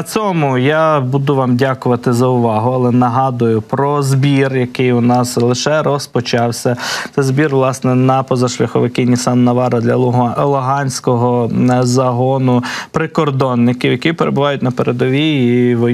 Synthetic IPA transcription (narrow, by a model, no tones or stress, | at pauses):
t͡sʲɔmʊjabud̪ʊʋɑmdʲakʊʋɐt̪ɪzɐʊʋɑɦʊɐlˠɛnɐɦɑd̪ʊjʊpɾɔzbʲirjɐkɪjʊnɑslˠɪʃɛɾɔspɔt͡ʃɑwsʲɐt̪t͡s̪ɛzbʲirʋlˠɑsnɛnɐpɔzɐʃlʲɐxʊʋɪkɪnʲisɑnːɐʋɑɾɐd̪lʲɐɦlˠɔɦɑnʲsʲkɔɦɔzɐɦɔnʊpɾɪkɔrd̪ɔnːɪkɪwjɐkipeɾḛbʊʋɑjʊtʲnɐpeɾed̪ɔʋʲiiʋɔ